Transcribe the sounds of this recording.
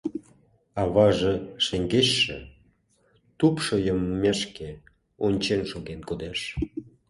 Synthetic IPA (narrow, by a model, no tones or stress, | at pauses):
ɑβɑʒĕʃeŋɡeʃːḛ | t̪upʃojəmːeʃke | onʲt͡ɕenʃoɣenkod̪eʃ